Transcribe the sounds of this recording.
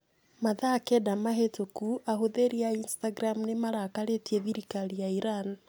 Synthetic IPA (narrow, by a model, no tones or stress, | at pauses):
maðakedamaɦetokuʔahoðeɾiainstaɡɾamnemaɾakaɾetieðiɾikalijaiɾani